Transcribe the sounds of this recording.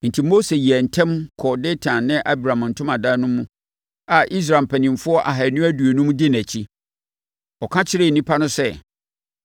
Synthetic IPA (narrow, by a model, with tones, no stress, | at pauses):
n̩˨tʰi˨mo˦se˨ji˨ɛ˨n̩˨tʰɛ̃˦mkʰɔ˨de˦tʰã˨nnɪ̃˦ʔa˦bɾã˨a˨n̩˨tʰʊ̃˦mã˨da˦nʊ̃˦mũ˦ | a˨ʔi˦s̬ɾa˨m̩˨pʰæ˨nɪ̃˨m˨fʊ˦ɔ˦ʔa˨ɦa˨nʊ̃˦æ˦du˨e˨nũ˦m̃˦dɪ˦næ˨t͡ɕʰi˦ | ɔ˨kʰã˦t͡ɕʰɪ˦ɾɪ˦˨n̩˨nĩ˦pʰa˦nʊ̃˦sɛ˦